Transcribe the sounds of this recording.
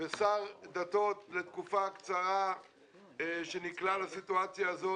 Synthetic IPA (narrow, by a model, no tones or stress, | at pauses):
vesaʁd̪at̪o̞t̪le̞t̪kufakt͡saʁa | ʃeniklalasit̪uat͡sjaːzo